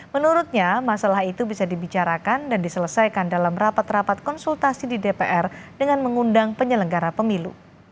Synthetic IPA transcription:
mənuɾut̪̚ɲamasalaɦit̪ubisadibit͡ʃaɾakandandisələsajkandalamrapat̪rapat̪̚kɔnsult̪asididepeʔɛrdəŋanməŋundaŋpəɲələŋɡaɾapəmilṵ

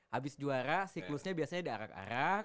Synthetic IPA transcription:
ʔabɪsd͡ʒuaɾasiklʊsɲabiasaɲadiaɾa̰ka̰ɾak̚

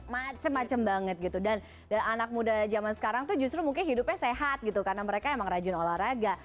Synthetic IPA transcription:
mat͡ʃəmːat͡ʃəmbaŋət̪̚ɡit̪udan | daanak̚mudad͡ʒamansə̥kaɾaŋt̪ud͡ʒus̬t̪ɾumuŋkɪnɦidʊpɲaseɦat̪̚ɡit̪ukaɾənaməɾekaemaŋɾad͡ʒʊnolahɾaɡa

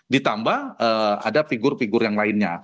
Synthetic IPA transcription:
dit̪ambahəa̰dafiɡʊrfiɡʊrjaŋlaɪnɲa

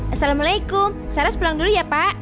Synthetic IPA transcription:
ʔasalamalajkʊmsaɾaspulaŋdulujapaʔ

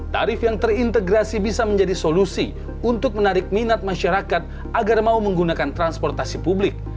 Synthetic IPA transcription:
t̪a̰ɾɪfjaŋt̪ərint̪əɡɾasibisaməɲd͡ʒadisolusi | unt̪ʊk̚mənaɾɪk̚minat̪̚maʃaɾakat̪̚ | ʔaɡarmauməŋɡunakant̪ɾanspɔrt̪asipublɪk̚

